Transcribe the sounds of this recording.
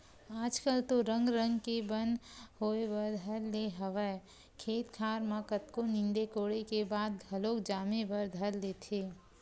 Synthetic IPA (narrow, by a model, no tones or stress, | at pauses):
aːd͡ʒkəlt̪oɾə̃ŋɡɾə̃ŋɡkebə̃nd̪ɦoːewəɾd̪ʱəɾleɦəʋə | kʰeːt̪kʰaːɾmãkət̪konɪ̃nd̪ekoːɽekebaːd̪̚ɡʱɐloːkd͡ʒaːmebəɾd̪ʱəlleːt̪ʰeː